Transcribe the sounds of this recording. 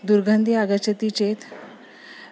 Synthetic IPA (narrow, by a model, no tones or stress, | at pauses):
d̪uɾɡʱand̪iːaɡət͡ɕət̪it͡ɕet̪